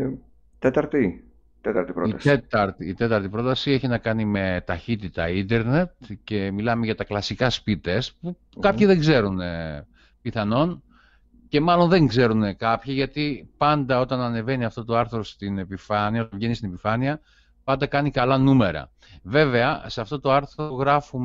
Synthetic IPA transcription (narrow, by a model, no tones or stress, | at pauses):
t̪et̪ɐɾt̪i | t̪et̪ɐɾt̪ipɾoiset̪ɐɾt̪iːt̪e̞t̪ɐɾt̪ipɾo̞t̪ɐsie̞çinɐkɐnime̞t̪ɐçit̪it̪ɐ̰ind̪e̞ɾne̞t̪̚ce̞milɐme̞ʝɐt̪ɐklɐsikɐspit̪espu | kɐpçiðe̞ŋɡze̞ɾune | piθɐno̞n | ce̞mɐlo̞nðe̞ŋɡze̞ɾunekɐpçiʝɐt̪ipɐnd̪ɐo̞t̪ɐnɐne̞ve̞niɐft̪o̞t̪oɐɾθɾost̪ine̞pifɐniɐot̪ɐvʝe̞nist̪ine̞pifɐniɐ | pɐnd̪ɐkɐnikɐlɐnume̞ɾɐ̰ | ve̞ve̞ɐseɐft̪o̞t̪oɐɾθɾoɣɾɐfum